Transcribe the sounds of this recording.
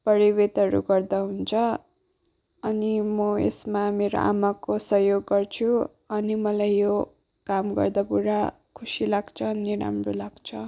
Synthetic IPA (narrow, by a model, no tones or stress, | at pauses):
pʌɾiwet̪ʌɾṵɡʌrd̪aɦunt͡sʰʌ | ʌnimʌḛsmameɾo̰ʔa̰makosʌɦjoɡːʌrt͡sʰu | ʌnimʌlajːo | kamɡʌ̰rd̪apuɾa | kʰusilaɡt͡sʰʌniɾa̰mrulaɡt͡sʰʌ